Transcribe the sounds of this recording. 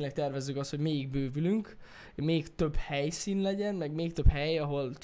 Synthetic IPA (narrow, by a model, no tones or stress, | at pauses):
ɲlɛk̚t̪ɛrvɛzːykɒst̪ho̞ɟmeːjiɡ̚bøːvylyŋk | meːkt̪øbhɛjsiːnlɛɟɛnmɛɡmeːkt̪øphɛjɒɦo̞l